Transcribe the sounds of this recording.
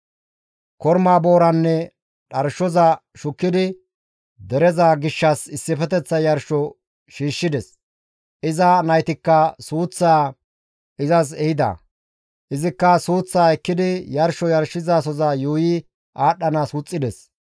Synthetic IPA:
kɔɾmaːbo̞ːɾɐnːɛ | ɗɐɾʃɔzɐʃʊkːɪd̪ɪ | d̪ɛɾɛzaːɡɪʃːɐsɪsːɪfɛt̪ɛt͡sːɐjɐɾʃɔ | ʃiːʃːɪd̪ɛs | ʔɪzɐnɐjt̪ɪkːɐsuːt͡sːaː | ɪzɐs̬ɛhɪd̪ɐ̰ | ʔɪzɪkːɐsuːt͡sːaːɛkːɪd̪ɪjɐɾʃɔjɐɾʃɪzaːs̬ɔzajuːjɪ | ʔaːɗːɐnasuːt͡sʼːɪd̪ɛs

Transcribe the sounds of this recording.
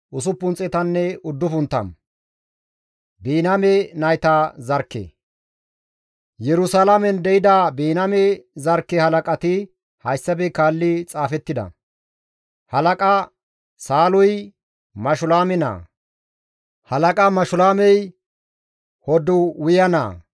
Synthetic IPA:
ʔʊs̬ʊpːʊnt͡sʼɛt̪ɐnːɛʊd̪ːʊfʊnt̪ːɐ̰n | biːnɐmɛnɐjt̪azɐɾkːḛː | jɛɾʊsalamɛnd̪ɛɪd̪abiːnɐmɛzɐɾkːɛhɐlɐkʼɐt̪ɪ | hɐjsːɐbɛkaːlːɪt͡sʼaːfɛt̪ːɪd̪ɐ̰ | hɐlɐkʼɐ | saːlʊj | mɐʃʊlaːmɛna̰ː | hɐlɐkʼɐmɐʃʊlaːmɛj | hɔd̪ʊwʊjɐna̰ː

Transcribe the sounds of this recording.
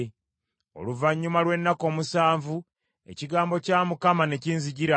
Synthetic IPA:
o̞̰luvaɲːumalwe̞nːako̞ːmusaːɱvu | e̞̰ciɡaːmbo̞caːmukamane̞ciːnziɟiɾa

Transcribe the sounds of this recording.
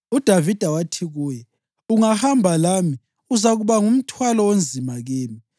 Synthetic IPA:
ud̥ʱavid̥ʱawatʰiɣuːjɛ | uŋahambʱalami | uzaɣuβaŋum̩tʰwalɔwond͡zʱimaɣeːmi

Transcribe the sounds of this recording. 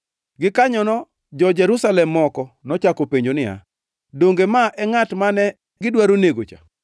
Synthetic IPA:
ɡɪkaɲɔnɔ | d͡ʒɔd͡ʒɛɾusalɛmːɔkɔnɔt͡ʃakopeɲd͡ʒonɪa̰ | doŋɡemaʔɛŋatmanɛ | ɡɪdwaɾoneɡot͡ʃa̰

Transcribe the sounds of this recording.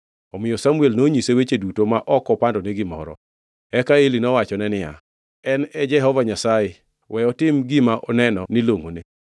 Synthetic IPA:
ɔmɪjɔsamuelnoɲisewet͡ʃedutomaʔɔkɔpandɔneɡɪmɔ̰ɾɔ̰ | ɛkaelinɔwat͡ʃɔnɛnɪja̰ | ɛnɛd͡ʒɛɦɔvaɲasaje | wʔɛɔtɪmɡɪmaʔɔnɛnɔniloŋone

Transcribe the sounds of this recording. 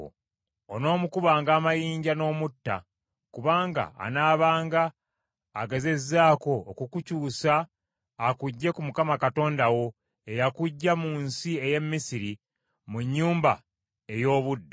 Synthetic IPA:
ono̞ːmukuβaːŋɡaːmajiːɲɟano̞ːmutːa̰ | kuβaːŋɡa̰a̰naːβaːŋɡaː | ɡe̞ze̞zːaːko̞ːkukucuːsaː | kuɟːe̞kumukamakato̞ːndawo̞ | e̞jakuɟːamuːnsie̞je̞mːisiɾi | muɲːuːmba | e̞jo̞ːβudːo

